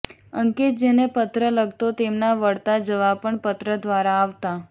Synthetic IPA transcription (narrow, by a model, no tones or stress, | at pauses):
əŋket̪̚d͡ʒenepət̪ɾələɡt̪ot̪emnaʋəɽt̪ad͡ʒəʋapəɳpət̪ɾəd̪ʋaɾaːʋt̪a